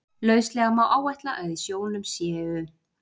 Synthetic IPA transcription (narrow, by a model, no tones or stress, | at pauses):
lœːɥslɛːɣamawʔaːwɛjht̪laʔaðisjoːwlɪnʏmsjɛːɣʏ